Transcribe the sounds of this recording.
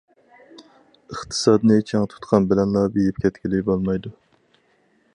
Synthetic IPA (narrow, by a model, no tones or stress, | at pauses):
əχt̪ʰɨ̥sɑːd̪ɨnɨt͡ʃʰɛŋt̪ʰu̥t̪qʰɑnbɪlɛnlˠɑbijɪp̚kʲʰɛt̪kʲilɪjbolˠmɑjd̪u